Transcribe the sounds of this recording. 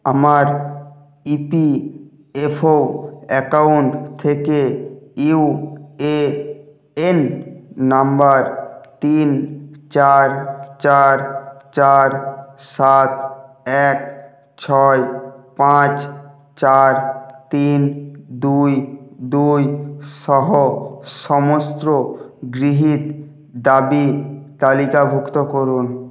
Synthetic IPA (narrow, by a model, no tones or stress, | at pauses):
əməɾ | ipi | epʰoɛkaʊɳʈt̪ʰekeiue | enː | əmbəɾt̪iːnt͡ʃaɾt͡ʃaːɾt͡ʃaːɾsaːt̪̚ | ɛk | t͡ɕʰɔepãt͡ɕ | t͡ɕaɾt̪ind̪ujd̪ujʃɔɦoʃɔmost̪ɾoɡɾiɦit̪ | d̪abit̪alikabʱukt̪okoɾun